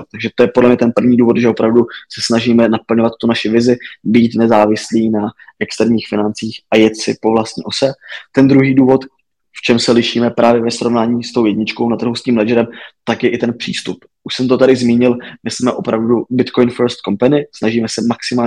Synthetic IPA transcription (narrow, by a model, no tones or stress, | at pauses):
t̪aɡʒɛt̪ojɛpodlɛmɲɛt̪ɛnpr̩vɲiːduːvo̞t̪ʒɛʔopɾavdusɛsnaʒiːmɛnapl̩ɲovat̪t̪ːunaʃɪvɪzɪbiːt̪nɛzaːvɪsliːnaʔɛkst̪ɛɾɲiːxfɪnant͡siːxʔajɛt̪sɪ̰po̞vlast̪ɲḭːʔosɛt̪ɛnd̪ɾuɦiːduːvo̞t̪ | ft͡ʃɛmsɛlɪʃiːmɛpɾʔaːvjɛvɛsɾo̞vnaːɲiːst̪owjɛdɲɪt͡ʃko̞wnat̪r̩ɦusciːmlɛʒɛɾɛmt̪akjɛʔɪt̪ɛnpr̝̥ḭːst̪up | ʔuʃsɛmt̪ot̪aɾɪzmiːɲɪlmɪsmɛʔo̞pɾavdubɪt̪kojnfɛɾst̪̚ko̞mpanɪsnaʒiːmɛsɛmaksɪmaː